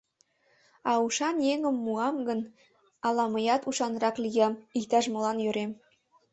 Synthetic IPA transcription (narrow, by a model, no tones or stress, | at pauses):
ɑuʃɑnjeŋəmːuɑmɡən | ɑlɑmɤjɑt̪uʃɑnɾɑklijɑmikt̪æʃmŏlɑnjøɾem